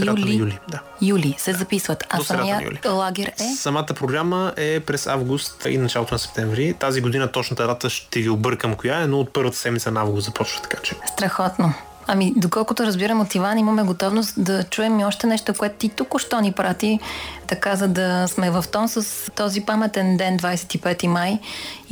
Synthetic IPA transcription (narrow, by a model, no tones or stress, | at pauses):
jlijulid̪a | julisɛzɐpisvət̪asɐmḭjṵlḭlˠaɡʲɛɾɛsɐmat̪əpɾoɡɾaməʔɛpɾɛsa̰vɡʊst̪ḭnɐt͡ʃalˠot̪ʊnɐsɛp̚t̪ɛɱvɾit̪aziɡod̪inət̪ɔt͡ʃnət̪əd̪at̪əʃt̪ɛviobɤɾkəmkʊjaɛnoːt̪̚pɤɾvət̪ə̥sɛd̪mit̪sənɐavɡʊszɐpɔt͡ʃvə̥t̪ɐ̥kat͡ʃɛst̪ɾɐxɔt̪no | ɐmid̪okɔlˠkʊt̪oɾɐzbiɾɐmot̪ivanimɐmɛɡot̪ɔvnost̪d̪ɐt͡ʃuɛmiɔʃt̪ɛnɛʃt̪okoɛt̪ʊt̪it̪ukʊʃt̪ɔnipɾat̪it̪ɐkazɐd̪ɐsmɛvɐft̪ɔnsəst̪ɔzipamɛt̪ɛnd̪ɛnd̪vajsɛ̥t̪ipɛt̪imaj